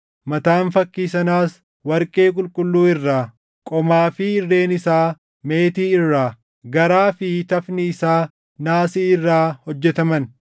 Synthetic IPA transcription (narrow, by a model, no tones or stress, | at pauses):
mɐt̪aːnfɐkːiːsɐnaːs | wɐɾkʼe̞ːkʼʊlkʼʊlːuːɪrːaː | kʼɔmaːfɪɪrːe̞ːnɪsaː | me̞ːt̪iːɪrːaː | ɡɐɾaːfɪt̪ɐfnɪɪsaː | naːsiːɪrːaːhɔd͡ʒːɛt̪ɐmɐn